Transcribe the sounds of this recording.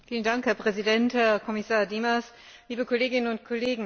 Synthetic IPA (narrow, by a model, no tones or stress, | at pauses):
fiːləndaŋkhɛɐpʁ̥ɛzidɛnthɛɐkʰɔmɪsaːɐdiːmas | liːbəkʰɔleːɡɪnənʊntkʰɔleːɡŋ̩